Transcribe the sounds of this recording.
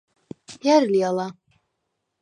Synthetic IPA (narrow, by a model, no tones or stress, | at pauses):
jaɾlialˠa